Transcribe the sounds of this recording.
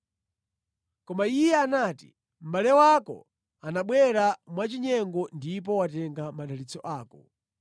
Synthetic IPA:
kɔmaijɛanatḭ | m̩ɓalɛwakɔ̰ | anaɓwɛɾamwat͡ʃiɲɛŋɡɔndip̬ɔwatɛŋɡamaɗalit͡sɔʔaːkɔ

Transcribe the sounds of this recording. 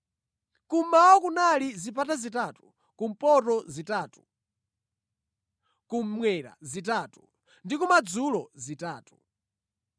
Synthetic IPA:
kummawɔkunalizipatazitaːtu̥ | kum̩pɔtɔzitaːtu | kum̩mwɛɾa̰zitaːtu | ndikumad͡zulɔzitaːtu̥

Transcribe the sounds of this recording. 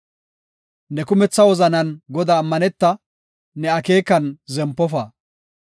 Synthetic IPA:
nɛkʊmɛt͡sːɐwɔzɐnɐnɡɔd̪aːmːɐnɛt̪ːɐ | nɛɐke̞ːkːɐnzɛmpːɔfɐː

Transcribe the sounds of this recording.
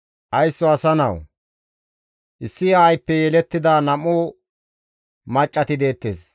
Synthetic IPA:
ʔɐjsːɔɐsɐnɐ̰w | ʔɪsːɪajpːɛjɛlɛt̪ːɪd̪aːnɐmuː | mɐt͡ʃʼːɐt̪ɪd̪e̞ːt̪ːḛːs

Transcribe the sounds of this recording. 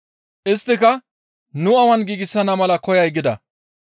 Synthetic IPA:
ʔɪst̪ːɪkɐ | nʊɐwɐnɡiːɡɪsːɐnɐmɐlɐkɔjɐjɡɪd̪ɐ̰

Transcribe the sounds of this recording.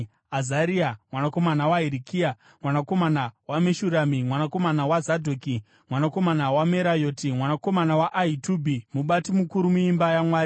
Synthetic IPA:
azaɾiamwanako̞manawaiɾikiːa | mwanako̞manawameʃuɾamimwanako̞manawazadʱoki | mwanako̞manawameɾajoːtimwanako̞manawaʔaitubʱimuɓatimukuɾumuimbajamwaːɾi

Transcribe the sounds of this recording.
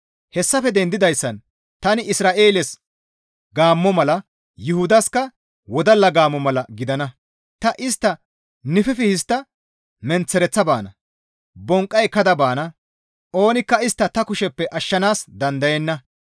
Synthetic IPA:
hɛsːɐfɛd̪ɛnd̪ɪd̪ɐjsːɐn | t̪ɐnɪɪsɾaːʔeːlɛs | ɡaːmːɔmɐlɐ | jʊhʊd̪ɐskɐ | wɔd̪ɐlːɐɡaːmːɔmɐlɐɡɪd̪ɐnɐ | t̪ɐʔɪst̪ːɐ | nɪfɛfɪhɪst̪ːɐ | mɛnt͡sːɛɾɛt͡sːɐba̰ːnɐ | bɔŋkʼːɐjkɐd̪ɐbaːnɐ | ʔo̞ːnɪkːɐɪst̪ːɐt̪ɐkʊʃɛpːɛʔɐʃːɐnaːsd̪ɐnd̪ɐjɛnːɐ

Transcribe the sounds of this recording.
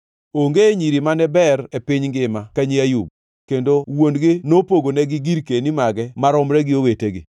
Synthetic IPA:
oŋɡeɲiɾimanɛbɛɾepɪɲŋɡɪmakaɲiajub̚ | kendowondɡɪnopoɡonɛɡɪɡiɾkenimaɡɛmaɾɔmɾɛɡɪoweteɡɪ̰

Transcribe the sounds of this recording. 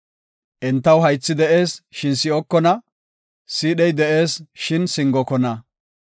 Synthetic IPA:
ʔɛnt̪ːɐwɦɐjt͡sːɪd̪ɛʔe̞ːsʃɪnsɪɔkːɔnɐ | siːɗɛjd̪ɛʔe̞ːsʃɪnsɪŋɡɔkɔnɐ

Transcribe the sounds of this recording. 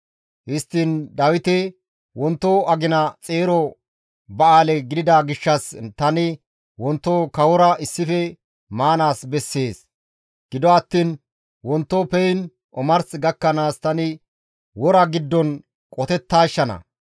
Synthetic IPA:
hɪst̪ːind̪ɐwɪt̪ɛ | wɔnt̪ːoɐɡɪnɐt͡sʼe̞ːɾɔ | bɐaːlɛɡɪd̪ɪd̪aɡɪʃːɐst̪ɐnɪ | wɔnt̪ːokɐwɔɾɐɪsːɪfɛ | maːnaːsbɛsːe̞ːs | ɡ̥ɪd̪ɔɐt̪ːiːn | wɔnt̪ːɔpɛjn | ʔɔmɐɾsɡɐkːɐnaːst̪ɐnɪ | wɔɾɐɡɪd̪ːɔn | kʼɔt̪ɛt̪ːaːʃːɐnɐ̰

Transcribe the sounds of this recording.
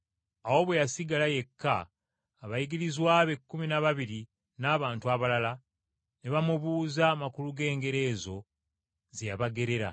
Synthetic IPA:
awo̞βwe̞jasiɡalaje̞kːaː | βajiɡiɾizwaːβe̞kːuminaβaβiɾi | naːβaːntuaβalala | neβamuβuːzamakuluɡe̞ːŋɡe̞ɾe̞ːzo̞ | zejaβaɡe̞ɾe̞ɾa̰

